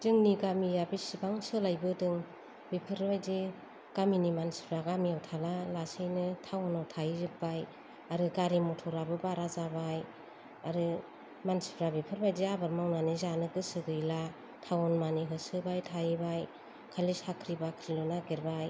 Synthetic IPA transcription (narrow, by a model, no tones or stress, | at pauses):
dɯŋniɡamijabisibaŋsɯlajbɯdɯŋ | bipʰɯɾbajze | ɡ̥aminimansi̥pʰɾaɡamiawtʰalalasɯjnɯtʰawɔnawtʰajizɯp̚baj | aɾɯɡaɾimɔtʰɔɾabɯbaɾazabaj | aɾɯ | mansi̥pʰɾabipʰɯɾbajzeabaɾmawnanizanɯɡɯsɯɡɯjla | tʰawɔnmaniɦɯsɯbajtʰajibaj | kʰalishakʰɾibakʰɾilɔnaɡeɾbaj